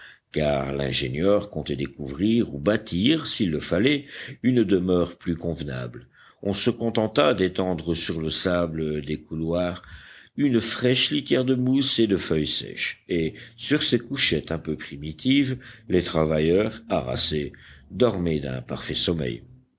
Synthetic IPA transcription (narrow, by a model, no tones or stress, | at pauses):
ka̰ʁlɛ̰̃ʒenjœʁkɔ̃t̪ɛd̪ekuvʁiʁubat̪ʰiʁsilːəfalɛynd̪əmœʁplykɔ̃vna̰bl | ɔ̃səkɔ̃t̪ɑ̃t̪ad̪et̪ɑ̃d̪ʁəsyʁləsabləd̪ekulwaʁynfχɛʃlit̪jɛʁd̪əmused̪əfœjsɛ̰ʃesyʁsekuʃɛt̪ɛ̃pøpχimit̪ʰivlet̪χavajœʁa̰ʁa̰sed̪ɔʁmɛd̪ɛ̰̃pa̰ʁfɛsɔmɛ̰j